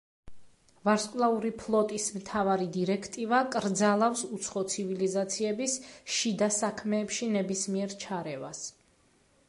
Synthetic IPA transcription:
vaɾskʼlˠauɾipʰlˠɔt̪ʼismt̪ʰavaɾid̪iɾɛkʰt̪ʼivakʼɾd̪zalˠafsut̪sʰχɔt̪sʰivilizat̪sʰiɛbisʃid̪asakʰmɛːpʃinɛbismiɛɾt͡ʃʰaɾɛva̰s

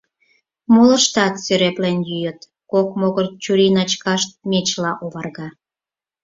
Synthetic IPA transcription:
molə̆ʃt̪ɑt̪søɾeplenjyjət̪ | kokmoɣərt͡ɕuɾinɑt͡ɕkɑʃt̪̚mʲet͡ɕlɑʔoβɑrɣɑ

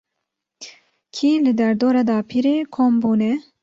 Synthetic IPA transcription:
kʰiːlɨd̪ɛɾd̪oːɾɑd̪ɑːpʰiɾeːkʰoːmbuːnɛ

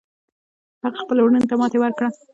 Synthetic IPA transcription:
haɣaxpəlwɳənt̪amɑt̪ewaɾkɽa

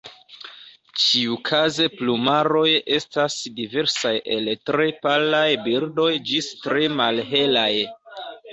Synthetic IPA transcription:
t͡ʃiukʰaze̞plumaɾo̞je̞stasdive̞ɾsajʔe̞ltɾe̞palajbiɾdo̞jd͡ʒistɾemalɦe̞laj

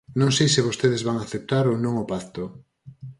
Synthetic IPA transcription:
nõŋsejsɪβost̪eð̞ɪzβaŋaθep̚t̪aɾonõŋopaθt̪o

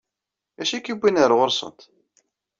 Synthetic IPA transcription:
æʃækːibʷːinəɾˤʁʊɾsˤə̰nt̪

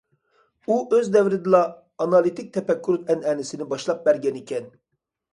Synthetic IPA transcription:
uʔøzd̪ɛvɾɪd̪ɪlˠɑː | nɑlˠit̪ʰɪk̚ʲt̪ʰɛpɛkʲːyɾut̪ɛnɛːnɪsɪnɪbɑʃlˠɑp̚bɛɾɡʲɛnikʲʰɛn

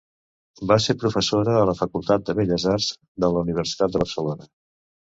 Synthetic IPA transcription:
baseɾpɾufəsoɾəðələfəkulˠt̪at̪̚d̪əβeʎəzarz | d̪ələuniβ̞əɾsi̥t̪at̪̚d̪əβəɾsəlonə

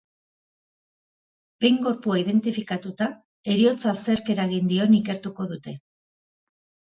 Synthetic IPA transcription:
b̥e̞jŋɡo̞ɾpuaið̞e̞nt̪ifikat̪ut̪a | e̞ɾio̞t͡sase̞ɾke̞ɾaɣind̪io̞nike̞ɾt̪uko̞ðut̪e̞

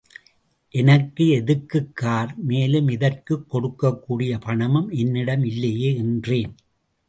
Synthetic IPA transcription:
ʔɛnɐkːɯɛðɯkːɯkːaːɾmeːlɯmɪðɐrkɯkːɔɽɯkːɐkːuːɽɪjɐpɐɳɐmɯmɛnːɪɽɐmɪlːɐjeːɛndreːn

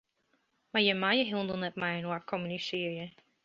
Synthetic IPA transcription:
majəmajəɦɪndəlˠnɛt̚majənwakʰɔmənisiəɹjə

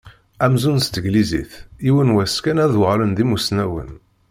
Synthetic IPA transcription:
æmzunst̪əɡlizḭθiwənwæskænæðwʁlənðimusnæwə̰n

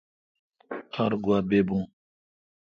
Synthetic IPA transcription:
haɾɡwabebũŋ

